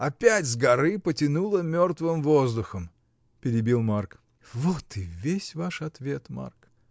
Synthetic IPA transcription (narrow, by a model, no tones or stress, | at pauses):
ɐpʲætʲzɡɐɾɨpətʲɪnulˠəmʲort̪vɨmvozd̪ʊxəm | pʲɪɾʲɪbʲilˠmark | vot̪ɨvʲesʲvaʂɐt̪vʲe̞t̪ma̰rk